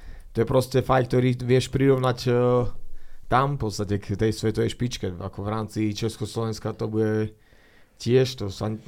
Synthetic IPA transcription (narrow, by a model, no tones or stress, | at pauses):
t̪ɔjɛpɾɔscɛfajk̚t̪ɔɾiːʋɪɛʃpɾiɾɔʊnac | t̪ampɔtst̪acɛkt̪ɛjsʋɛt̪ɔʋɛjʃpit͡ʃkɛa̰kɔʋɾaːmt͡sit͡ʃɛskɔslɔʋɛnskat̪ɔbuɟɛ | cɪɛʃt̪ɔsaɲ